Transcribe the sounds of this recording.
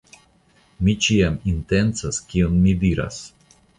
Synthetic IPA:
mit͡ʃiamintent͡saskionmidiɾa̰s

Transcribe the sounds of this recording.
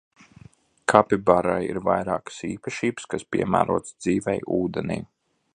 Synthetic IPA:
kʰapʲibaɾajḭɾvajɾaːkə̥siːpaʃiːbɨskaspʲiɛmæ̰ːɾuɔːt̪sd̪ziːvɛjuːd̪ɛnʲḭː

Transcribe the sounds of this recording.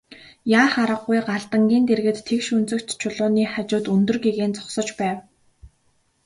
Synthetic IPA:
jaːχaɾə̆qːujɢaɮt̪ə̆ŋɡʲiːnt̪erɣɘ̆t̪ʰːekʃɵnt͡sɵ̆kt̪t͡ɕʰʊɮʊːniːχat͡ɕʊːt̪ɵnt̪ɵ̆rɡeɣeːnt͡sɔ̥χsɞ̆t͡ɕpæːw

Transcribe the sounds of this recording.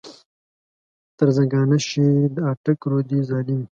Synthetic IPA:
t̪ɐɾzɐɡɑːnaʃid̪əaʈɐkɾoːd̪izɑːlim

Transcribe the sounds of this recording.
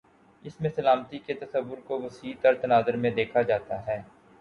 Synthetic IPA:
ɪsmẽsɐlaːmt̪iket̪ɐsəʋːʊɾkoʋɐsiːt̪ɐɾt̪ɐnaːzəɾmẽd̪eːkʰad͡ʒaːt̪aɦɛː

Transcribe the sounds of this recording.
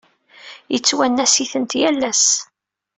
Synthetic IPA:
jət͡sːwænːæsiθənt̪jælːæs

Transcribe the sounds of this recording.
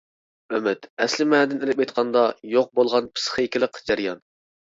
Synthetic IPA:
ømɛt̪ɛslɪmɛnd̪ɪnɪɾɪp̚ejt̪̚qʰɑnd̪ɑjoq̚bolˠʁɑnpʰɨ̥sχəɪkʲiɪlˠəqd͡ʒæɾjɑn

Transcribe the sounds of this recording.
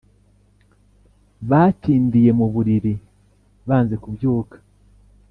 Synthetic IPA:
βatiːndije̞muβuɾiɾi | βaːnze̞kubjuːkḁ

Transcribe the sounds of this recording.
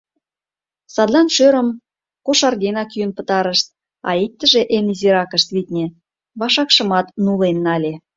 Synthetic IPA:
sɑd̪lɑnʃøɾəm | koʃɑrɣenɑkjynpət̪ɑɾəʃt̪̚ | ɑ̰ik̚t̪ːə̆ʒeʔeniziɾɑkəʃt̪βit̪ʲnʲe | βɑʃɑkʃə̆mɑt̪nulenːɑlʲe

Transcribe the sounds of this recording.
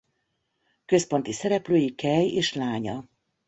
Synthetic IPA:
kø̞spo̞nt̪isɛɾɛpløːjikɛjeːʃlaːɲɒ

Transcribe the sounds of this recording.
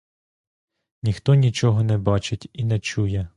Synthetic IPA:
nʲixt̪ɔnʲit͡ʃɔɦɔnɛbɑt͡ʃɪtʲinɛt͡ʃujɛ

